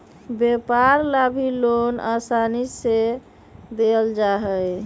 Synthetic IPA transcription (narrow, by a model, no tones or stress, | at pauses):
bepaɾlabʱilona̰sanise | d̪eld͡ʒaɦɛj